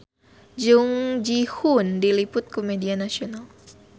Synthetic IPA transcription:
d͡ʒuŋd͡ʒihundilipʊt̪̚komedianasional

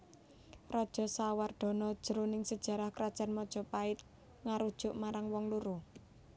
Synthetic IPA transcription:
rad̥ʒ̥ɔ̤saward̪̥ɔ̤nɔd̥ʒ̥əɾonɪŋsəd̥ʒ̥a̤ɾahkɾad̥ʒ̥a̤nmɔd̥ʒ̥ɔ̤paɪt̪̚ | ŋaɾud̥ʒ̥ʊʔmaɾaŋwɔŋluɾu

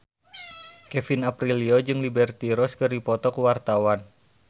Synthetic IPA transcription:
kɛfinapɾiliod͡ʒɨŋlibɛrt̪iɾɔskɨrdipɔt̪ɔkuwart̪awan

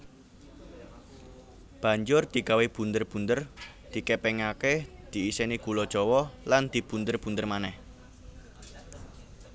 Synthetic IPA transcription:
b̥a̤ɲd͡ʒʊrd̪̥i̤kaweb̥ṳnd̪ərb̥ṳnd̪ər | d̪̥i̤kepɛŋaked̪̥i̤iseniɡ̥ulɔd̥ʒ̥ɔ̤wɔland̪̥i̤b̥und̪ərb̥und̪ərmanɛh

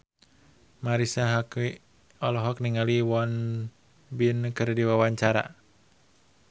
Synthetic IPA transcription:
maɾisaɦaki | ɔlɔɦɔk̚niŋaliwɔn | binkɨrdiwawaɲt͡ʃaɾa̰

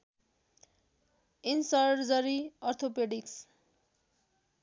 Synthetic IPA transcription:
insʌɾd͡zʌɾiʌrt̪ʰopeɖiks

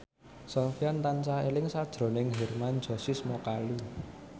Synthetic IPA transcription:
sɔfiant̪ant͡ʃaelɪŋsad̥ʒ̥ɾo̤nɪŋɦermand̥ʒ̥ɔ̤sismɔkalu

